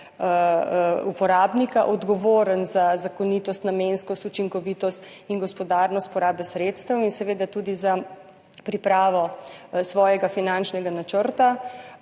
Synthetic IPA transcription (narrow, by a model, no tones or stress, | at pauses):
upɔɾaːbnikaʔɔd̪ɡɔʋoːɾənzazakɔnit̪ɔst̪nameːnskɔst̪ut͡ʃiŋkɔʋiːt̪ɔst̪iŋɡɔspɔd̪aːɾnɔst̪̚pɔɾaːbɛsɾeːt̪st̪əwinsɛʋeːd̪at̪uːd̪iza | pɾipɾaːʋɔsʋɔːjɛɡafinãnt͡ʃnɛɡanat͡ʃəɾt̪a